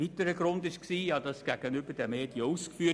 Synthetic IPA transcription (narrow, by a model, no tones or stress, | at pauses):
iːtəɾəɡɾʊndɪʃksiːjɑːd̥ɑsɡ̥æɡ̥ənybədɛmeːd̥jəuskfyː